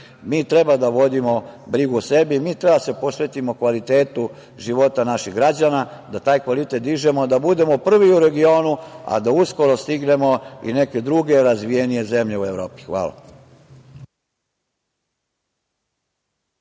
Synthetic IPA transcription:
miːt̪ɾe̞bad̪aʋo̞d̪imo̞bɾiɡuose̞bimiːt̪ɾebase̞po̞sʋe̞t̪imo̞kʋalit̪e̞ːt̪u | ʒiʋo̞t̪anaʃiɣɡɾad͡ʑanad̪at̪aːjkʋalit̪et̪̚d̪iʒe̞mod̪abud̪e̞mopr̩ʋiuɾe̞ɡio̞ːnua̰d̪ausko̞ɾo̞st̪iɡne̞mo̞ḭne̞ke̞d̪ɾuɡe̞ɾazʋije̞nije̞ze̞mʎe̞ue̞ʋɾo̰ːpi̥xʋa̰ːla̰

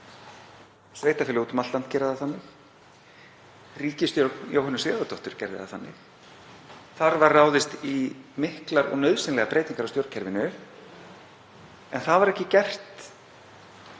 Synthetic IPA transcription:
sveːjht̪afɪlɪuːt̪ʏmalt̪lan̥cɛːɾɪðaθanːɪx | riːcɪst̪joɾjowɦanːʏsɛːðat̪ɔht̪ʏɾ̥cɛɾðɪ̰ða̰θanːɪx | θaɾvarraːwðɪst̪imɪhklaɾɔ̰ɣnœɥðsɪnlɛɣapɾejt̪iŋkaɾawst̪jowɾcʰɛɾvɪnʏ | ɛnθaðvaɾɛhcɪcɛr̥t̪

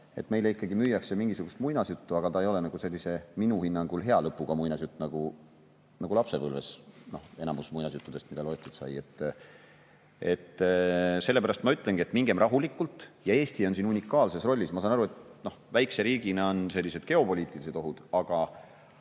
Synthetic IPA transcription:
e̞̰t̪me̞jleikːˑɑɡ̥imyjːɑkse̞miŋɡisuɡ̥ust̪mujnɑsjut̪ːuɑɡ̥ɑt̪ɑe̞jo̞le̞nɑɡ̥use̞lʲːise̞minuhinːɑŋɡ̥ulɦe̞ɑlɤpːˑuɡ̥ɑmujnɑsjut̪ːˑunɑɡ̥u | nɑɡulɑpse̞vɤlvḛsno̞he̞nɑmusmujnɑsjut̪ːud̪̥e̞st̪mid̪̥ɑlo̞jt̪ːˑut̪sɑ̰je̞t̪ːˑ | e̞̰t̪ːse̞lːe̞pæɾɑst̪mɑyt̪ːˑleŋɡie̞t̪ːmiŋɡ̥e̞mrʔɑɦulikːˑult̪ːˑjɑe̞ːst̪io̞nsiːnunʲikːˑɑːlse̞sro̞lʲːismɑsɑːnɑɾue̞t̪no̞hvæjkse̞ɾiːɡ̥ineo̞nse̞lʲːise̞d̪̥̚ke̞o̞po̞lʲiːt̪ːˑilis̬et̪o̞ɦud̪̥ɑɡ̥ɑ

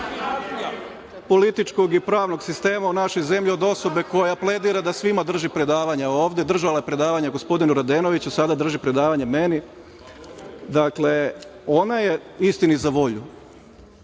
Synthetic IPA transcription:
polit̪it͡ʃko̞ɡipɾaːʋno̞ɡsist̪e̞ːmaunaʃo̞jze̞mʎio̞d̪o̞so̞be̞ko̞japle̞d̪iːɾad̪asʋimad̪r̩ʒipɾe̞d̪aːʋaɲaoːʋd̪e̞d̪r̩ʒalajepɾe̞d̪aːʋaɲaɡo̞spo̞d̪inuɾad̪eno̞ʋit͡ɕusad̪ad̪r̩ʒipɾe̞d̪aːʋaɲameni | d̪akle̞o̞naje | ist̪inizaʋo̞ʎu

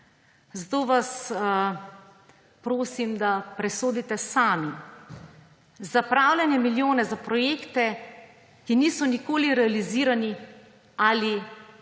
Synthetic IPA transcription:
zat̪oːʋas | pɾoːsimd̪apɾɛsoːd̪it̪ɛsaːmi | zapɾaːwljanjɛmiljoːnɛzapɾɔjeːkt̪ɛ | kiniːsɔnikoːliɾɛaliziːɾani | ali

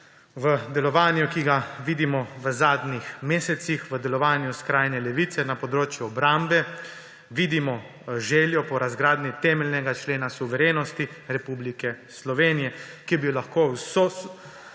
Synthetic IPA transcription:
ʋəd̪ɛlɔʋaːnjukiɡaʋiːd̪imɔʋəzaːd̪nixmeːsɛt̪sixʋəd̪ɛlɔʋaːnjuskɾaːjnɛlɛʋit̪sɛnapɔd̪ɾoːt͡ʃjuɔbɾambɛ | ʋiːd̪imɔ | ʒɛːljɔpɔɾazɡɾaːd̪nit̪ɛmɛlʲnɛɡat͡ʃleːnasuʋɛɾeːnɔst̪iɾɛpublikɛ | slɔʋeːnijɛkibilaxkoːwso

